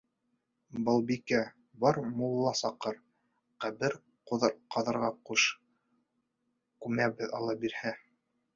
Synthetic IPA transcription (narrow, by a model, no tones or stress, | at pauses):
bɤ̆lˠbikæ | bɑɾmulˠːɑsɑqɤɾ | qæβɘɾ | qoðɾqɑðɤ̆ɾʁɑquʃ | kʉmæβɘðɑlˠɑbiɾhæ